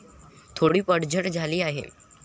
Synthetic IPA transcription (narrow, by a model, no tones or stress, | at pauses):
t̪ʰoɽiːpəɽd͡ʑʱəʈd͡zʱaliːaɦḛ